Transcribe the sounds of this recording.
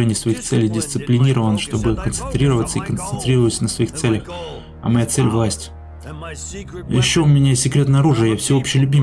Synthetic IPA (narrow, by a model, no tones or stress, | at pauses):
enʲɪjsvɐixt̪sɛlʲɪjdʲɪst̪sɨplʲɪnʲiɾəvənʂt̪o̞bɨkənt̪sɨnt̪ɾʲiɾəvət̪səikənt̪sɨnt̪ɾʲirəvətʲsənəsvɐixt̪sɛlʲəx | ɐ̰mɐjat̪sɛlʲvlˠasʲtʲɪ̥ | jɪɕːoʊmʲɪnʲasʲɪkɾʲe̞t̪nɐɐɾuʐɨəjafsʲɪo̞pɕːɪjlʲʊbʲi